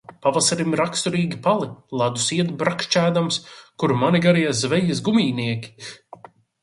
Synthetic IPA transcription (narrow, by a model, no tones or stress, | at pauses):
pavasaɾimɾakst̪uɾiːɡʲipalˠilˠad̪usiɛt̪bɾakʃt͡ʃæːd̪amskuɾmaniɡaɾijazvɛjɐs̬ɡumiːniɛkʲi̥